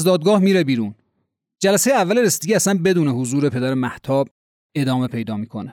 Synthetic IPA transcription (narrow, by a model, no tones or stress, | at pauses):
zd̪ɒːd̪̚ɡɒːhmiːɾebiːɾuːn | d͡ʒælæsejeævːæleɾesd̪eɡiːæsænbe̞d̪uːnehozuːɾe̞pʰe̞d̪æɾemæht̪ʰɒːb̚ | e̞d̪ɒːme̞pʰe̞jd̪ɒːmiːkʰo̞ne